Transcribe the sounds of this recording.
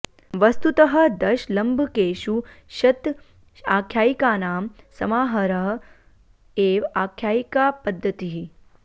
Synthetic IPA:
ʋɐst̪ut̪ɐɦɐ̆d̪ɐʃlɐmbʱkeːʃuʃɐt̪ | aːkʰjaːjikaːnaːmsɐmaːɦɐɾɐɦɐ | eːʋaːkʰːjaːikaːpɐd̪ʱːɐt̪iɦi

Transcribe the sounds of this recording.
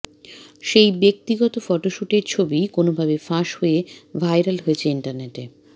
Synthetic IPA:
ʃejbek̚t̪iɡɔt̪ofɔʈoʃuʈeɾt͡ɕʰobikonobʱabefãʃhoevʱajɾalɦoet͡ɕʰeiɳʈaɾneʈe

